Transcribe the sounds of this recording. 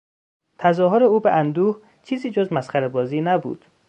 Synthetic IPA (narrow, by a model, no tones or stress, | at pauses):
t̪ʰæzɒːɦoɾeuːbeʔænd̪uːh | t͡ʃʰiːziːd͡ʒozmæsxæɾebɒːziːnæbṵːd̪̥